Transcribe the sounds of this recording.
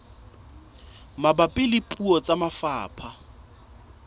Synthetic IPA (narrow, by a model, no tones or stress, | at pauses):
mabapʼɪlɪpʼuɔt͡sʼamafa̰ːpʰa